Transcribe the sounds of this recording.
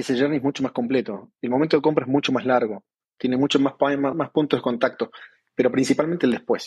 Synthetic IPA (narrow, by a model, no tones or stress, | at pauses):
eseʒɛɾnieɦmut͡ʃo̞mahko̞mplet̪oelmoment̪oðko̞mpɾaeɦmut͡ʃomaɦlaɾɣo | t̪jenemut͡ʃomamamahpunt̪oðeko̞nt̪ak̚t̪o | peɾopɾinsipalment̪eld̪ehpwes